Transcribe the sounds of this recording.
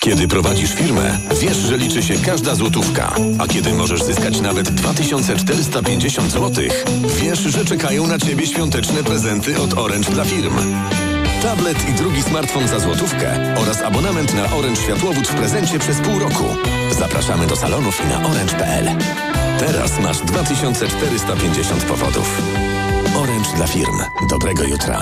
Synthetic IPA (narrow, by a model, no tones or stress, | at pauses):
kʲɛd̪ɘpɾɔvad͡ʑiʂfʲiɾmɛ̰ | vʲjɛʂʐɛlʲit͡ʂɘɕɛkaʐd̪azwɔt̪ufka̰a̰kʲɛd̪ɘmɔʐɛʐzɘskat͡ɕnavɛd̪ːvat̪ɘɕɔnt̪sɛt͡ʂt̪ɛɾɘst̪apʲjeɲd͡ʑeɕɔnd̪zwɔt̪ɘ̰x | vʲjɛʂʐɛt͡ʂɛkajɔ̃w̃nat͡ɕebʲjɛɕfʲjɔnt̪ɛt͡ʂnɛpɾɛzɛnt̪ɘʔɔt̪ɔɾɛnt͡ʂd̪lafʲiɾm | t̪ablɛt̪ʰid̪ɾuɡʲismaɾt̪fɔnzazwɔt̪ufkɛ̰ | ɔɾasabɔnamɛnt̪naʔɔɾɛnt͡ʂɕfʲjat̪wɔvut͡ɕfpɾɛzɛɲt͡ɕɛpʂɛspuwɾɔkʰṵ | za̰pɾa̰ʂamɘd̪ɔsa̰lɔnufina̰ʔɔɾɛnt͡ʂpɛʔɛ̰l | t̪ɛɾa̰sma̰ʐd̪vat̪ɘɕɔnt̪sɛt͡ʂt̪ɛɾɘst̪apʲjeɲd͡ʑeɕɔ̰nt̪pɔ̰vɔ̰d̪ṵf | ɔɾɛnt͡ʂd̪lafʲiɾm | d̪ɔbɾɛɡɔjṵt̪ɾa̰